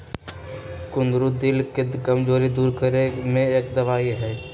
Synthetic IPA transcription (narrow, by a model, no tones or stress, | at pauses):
kʊ̃nd̪ɾud̪ɪlkekəmd͡ʒoːɾid̪uːɾkəɾemẽeːkd̪ɐʋaːiɦɛː